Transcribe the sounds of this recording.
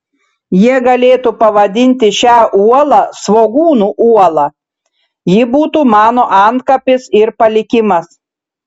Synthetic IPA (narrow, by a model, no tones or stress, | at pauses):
jiɛɡɐlʲeːt̪upɐʋɐd̪ʲɪnʲt̪ʲɪʃʲæːʔuɔlˠɐsʋoːɡuːnuːʔuɔlˠɐ | jɪbuːt̪uːmɑːnoːʔɑnt̪̚kɐpʲɪsɪɾpɐlʲɪkʲɪmɐs